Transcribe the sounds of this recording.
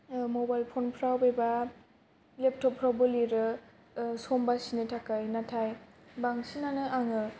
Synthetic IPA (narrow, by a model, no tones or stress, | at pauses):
mobajlpʰonpʰɾawbeba | lep̚tʰɔpʰːɾawbɯliɾɯ | sombasinɯtʰakajnatʰaj | baŋsinanɯʔaŋɯ